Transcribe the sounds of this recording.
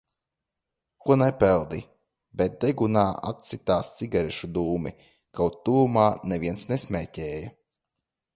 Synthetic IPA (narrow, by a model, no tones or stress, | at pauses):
kuɔnajpɛlˠd̪i | bɛt̪̚d̪ɛɡunaːa̰t̪sit̪aːst̪siɡaɾɛʃud̪uːmḭ | kawt̪t̪ːuːumaːnɛvʲiɛnsnesʲmʲɛːcɛːjɐ